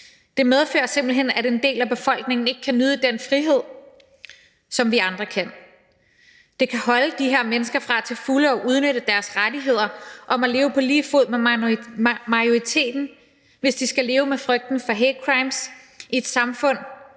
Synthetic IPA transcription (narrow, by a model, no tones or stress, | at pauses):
d̥e̝með̞ˠfø̰ːɐse̝mb̥l̩ɦen̰æɾend̥e̝̰ːlæb̥e̝fɒ̽l̰ɡ̥ne̝ŋn̩e̝ɡ̥̚kʰænyð̞ˠəd̥enfʁiɦe̝ð̞̰ˠ | sɒ̽mʋiɑ̈nd̥ʁɐkʰæn̰ | d̥e̝kʰæɦɒ̽ləd̥iɦe̝ɐ̰menəsɡ̥ɐfʁɑ̈æt͡sʰe̝lfuləɒ̽ʔuð̞ˠnøɾ̥əd̥æɐsʁadiɦe̝ð̞̰ˠɐʔɒ̽mæle̝ːʊəpʰɒ̽liːfo̝ð̰ˠme | mɑ̈joʁit͡sʰe̝̰ːd̥n̩ | ʋe̝sd̥isɡ̥æle̝ːʊəmefʁœɡ̥̚d̥n̩fɒ̽ɦekʰʁɑ̈ɪms | ie̝d̥sɑ̈mfɔ̽n̰